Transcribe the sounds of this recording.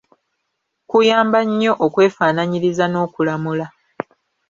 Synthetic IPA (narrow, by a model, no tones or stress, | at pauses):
kujaːmbaɲːo̞ʔokwe̞ːfaːnaɲiɾizano̞ːkulamula